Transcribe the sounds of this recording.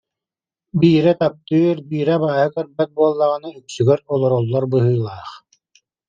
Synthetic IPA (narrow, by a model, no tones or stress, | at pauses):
biːɾɛt̪ap̚t̪ɯɾbiːɾɛbaːhɯkœɾbɛt̪̚buɔlˠːaʁɯnɯyksyɡœɾɔlˠɔɾɔlˠːɔɾbɯɦɯːlˠaːχ